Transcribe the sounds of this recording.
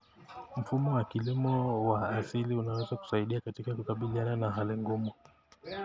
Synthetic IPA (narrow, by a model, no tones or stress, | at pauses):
m̩fumɔwakilimɔwaːsiliunawɛzaku̥saiɗiakatikakukaɓiliananaɦaliŋɡumu